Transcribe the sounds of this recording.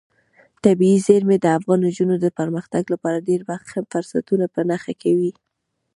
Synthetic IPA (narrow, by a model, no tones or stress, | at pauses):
t̪abiizeɾmed̪əafɣɑnd͡ʒunod̪əpəɾməxt̪aɡlapɑɾaɖeɾbaxhamfʊɾsat̪unapənaxakʰawi